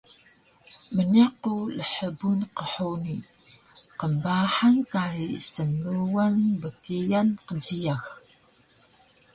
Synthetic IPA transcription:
mənaquləħəbunqəħuni | qəmbaħaŋkaɾisənːuwanbəkijanqənzijax

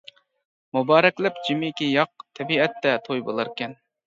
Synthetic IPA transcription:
mubɑːɾɛkʲlɪpd͡ʒimɪkʲijɑq̚t̪ʰɛbiɛt̪ːɛt̪ʰojbolˠɑɾkʲɛn

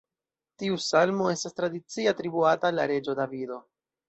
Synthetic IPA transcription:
tiusalmo̞e̞stastɾadit͡sieatɾibuatala̰ɾe̞d͡ʒo̞davido̞

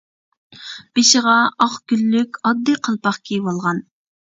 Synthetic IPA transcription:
b̥eʃɪʁɑɑχɡʲylːykʲɑd̪ːɨqʰəlˠpɑχkʲʰijwolˠʁɑn

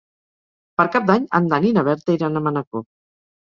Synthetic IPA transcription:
pəɾkap̚d̪aɲa̰nd̪aninaβɛɾt̪eiɾanamanako

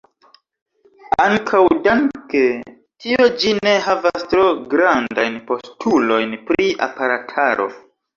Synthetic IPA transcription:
aŋkʰawdanke̞ | tio̞d͡ʒine̞ɦavastɾo̞ɡɾandajnpo̞stʰulo̞jnpɾiʔa̰paɾatʰaɾʔo̞̰

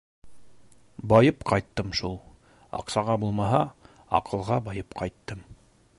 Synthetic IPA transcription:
bɑjɤpqɑjt̪ːɤmʃulˠ | ɑ̰qsɑʁɑbulˠmɑɦɑ | ɑ̰qɤ̆lˠʁɑbɑjɤpqɑjt̪ːɤm

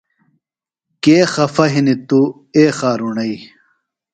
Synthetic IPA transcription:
keːxɐfɐɦinit̪u | eːxaːɾunɐi

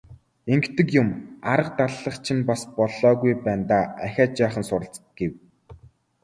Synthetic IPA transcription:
eŋkt̪ɘ̆kjʊmaɾə̆q̚t̪aɮːə̆χt͡ɕʰĭnpaspɔɮɔːɣujpæːnt̪aːæxʲaːt͡ɕæːχə̆nsʊɾə̆ɬt͡s | ɡ̥ew

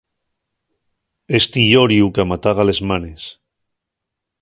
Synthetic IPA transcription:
est̪iʎoɾjukamat̪aɣ̞alezmanes

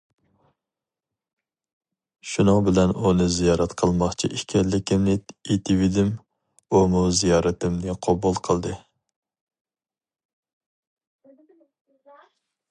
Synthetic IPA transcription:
ʃunɨŋbɪlɛnunɨzijɑːɾɛt̪qʰəlˠmɑχt͡ʃʰḭʔiʃkʲʰɛɾlɪkʲɪmlɪt̪it̪ʰivid̪ɪm | umuzijɑːɾɨt̪ʰɪmnɨqʰɑbulˠqʰəlˠd̪ɨ

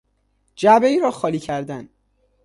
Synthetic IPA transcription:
d͡ʒæbeiːɾɒːxɒːliːcʰæɾd̪æn

